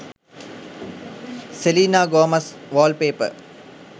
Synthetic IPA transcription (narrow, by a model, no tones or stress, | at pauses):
seliːnaːɡoːmɐsʋaːlpeːpə̰